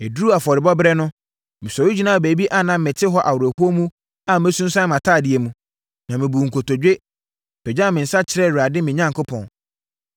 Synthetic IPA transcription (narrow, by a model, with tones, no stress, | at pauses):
e˨du˦a˨fɔ˨ɾɪ˨bɔ˦bɾɛ˦nʊ̃˦ | mɪ̃˨sɔ˨wi˦d͡ʑi˦nã˦˨beː˨˦bi˦ʔa˦nã˦m̩˦mɪ̃˨tʰɪ˦ɦɔ˦ʔa˨wʊ˨ɾæ˨hu˦o˦mũ˦ | a˨m˦ɛ˦sũ˦nsã˦mã˨tʰaː˦˨dɪ˨ɛ˨mũ˨ | nã˨mɪ̃˨bu˨ŋ̩˨kʰo˨to˨d͡ʑᶣe˦ | b̥ɛ˨d͡ʑã˦˨mɪ̃˨n̩˨sa˦t͡ɕʰɪ˦ɾɛ˦˨wu˨ɾa˨dɪ˦mɪ̃˨ɲã˦ŋkʰo˦pʰɔ̃˨n